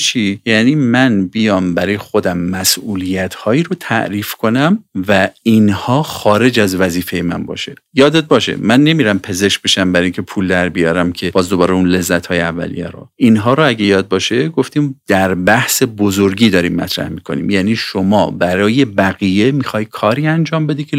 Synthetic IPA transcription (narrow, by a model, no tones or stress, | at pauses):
t͡ʃʰijæniːmænbijɒːmbæɾɒːjexo̞d̪æmːæsʔuːlijæt̪ʰhɒːiːɾot̪ʰæ̰ʔɾiːfkʰo̞næmvæinhɒːxɒːɾe̞d͡ʒæzvæziːfe̞jemæ̰nbɒ̰ːʃejɒːd̪ed̪̚bɒːʃḛmænːe̞miːɾæmpʰe̞ze̞ʃk̚be̞ʃæmbæɾiŋcʲʰe̞pʰuːld̪æɾbijɒːɾæmcʰe̞b̥ɒːzd̪obɒːɾeunle̞zːæt̪hɒːjeævːæ̰lḭjæ̰ɾo̰inɦɒːɾoæɡejɒːd̪̚bɒːʃe̞ɡoft̪imd̪̥æɾbæhse̞bozoɾɡiːd̪ɒːɾiːmːæ̰t̪ʰɾæ̰hmiːkʰo̞̰nḭːmjæːniːʃomɒ̰ːbæɾɒːje̞bæɣije̞mixɒːjkʰɒːɾiːænd͡ʒɒːmbe̞d̪icʰe